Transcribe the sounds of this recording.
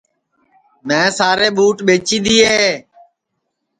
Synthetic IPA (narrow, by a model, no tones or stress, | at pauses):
mẽːsaːɾeːɓuːʈɓeːt͡ʃiːd̪iːɦeː